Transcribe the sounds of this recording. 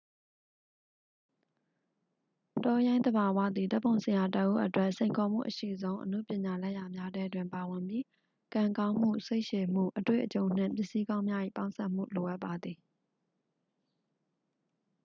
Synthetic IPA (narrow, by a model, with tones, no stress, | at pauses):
tɔ˦jã˦ɪ̃nd̪ə˨ba˨wa̰˦˨d̪i˨t̪ɛ˦pːõ˨ʊ̃sʰã˨ja˨təʔṵ˦ʔətwɛ˦ʔsẽ˨ɪ̃ŋkʰɔ˨m̥ṵ˦˨ʔəʃḭ˦˨zõ˦ʊ̃ʔənṵ˦˨pjɪ̃˨ɲa˨lɛ˦ʔja˨mja˦dɛ˦dwɪ̃˨mpa˨wɪ̃˨mbji˦ | kã˨ŋkã˦ʊ̃m̥ṵ˦˨se˦ɪʔʃe˨m̥ṵ˦˨ʔətwḛ˦˨ʔət͡ɕõ˨ʊ̃n̥ɪ̰̃˦˨mpjɪ˦ʔsi˦kã˦ʊ̃mja˦ʔḭ˦˨pã˦ʊ̃sɛ˦ʔm̥ṵ˦˨lo˨ʔa˦ʔpːa˨d̪ði˨